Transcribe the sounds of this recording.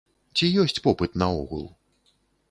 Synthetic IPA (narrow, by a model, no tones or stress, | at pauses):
t͡sʲijɔsʲt͡sʲpɔpɨt̪nɐɔ̰ɣṵlˠ